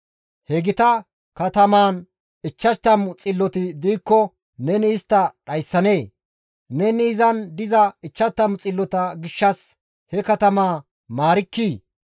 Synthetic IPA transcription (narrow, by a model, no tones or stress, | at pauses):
hɛɡɪt̪ɐ | kɐt̪ɐmaːn | ɪt͡ʃːɐt̪ːɐmt͡sʼɪlːɔt̪ɪd̪iːkːɔ | nɛnɪːst̪ːɐɗɐjsːɐne̞ː | nɛniːzɐnd̪ɪzɐɪt͡ʃːɐt̪ːɐmt͡sʼɪlːɔt̪ɐɡɪʃːɐs | hɛkɐt̪ɐmaː | maːɾɪkːiː